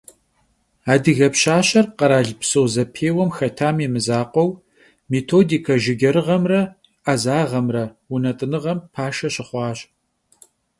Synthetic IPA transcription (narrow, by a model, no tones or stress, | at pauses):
aːdɨɣɐpɕaːɕɐrqɐɾaːɮpsowzɐpʰeːwɐmxɐtʰaːmemɨzaːqʷɔw | metʰoːdiːkʰɐʒɪɡʲɐɾɨʁɐmrɐ | ʔazaːʁɐmrɐunɐtʼɨnɨʁɐmpʰaːʂɐɕɪχʷɑːɕʼ